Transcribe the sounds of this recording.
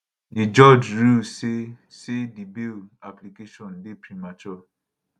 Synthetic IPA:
id͡ʒɔd͡ʒɹusesedibilaplikeʃɔ̃nbepɾimat͡ʃɔ

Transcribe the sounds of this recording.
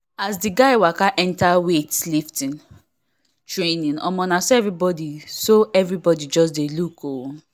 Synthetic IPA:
asdiɡaɪwakaʔɛ̃ntawetliftĩn | tɹenĩnɔ̰̃mɔ̃nasoɛvɹibɔdisoɛvɹibɔdid͡ʒɔs̬delukowu

